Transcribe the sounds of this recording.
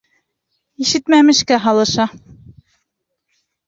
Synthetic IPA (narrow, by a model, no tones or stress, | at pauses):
iʃɘt̪mæmɘ̆ʃkæɦɑlˠɤ̆ʃɑ